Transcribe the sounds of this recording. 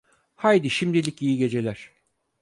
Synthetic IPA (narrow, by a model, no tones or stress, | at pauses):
hajd̪iʃimd̪ilʲicijiɟe̞d͡ʒe̞lʲæɾ̥